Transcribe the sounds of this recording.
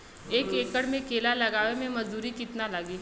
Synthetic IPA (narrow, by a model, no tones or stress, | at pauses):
eːkeːkəɽmẽkeːlalɐɡaːʋemẽmɐzd̪uːɾikɪt̪nalaːɡiː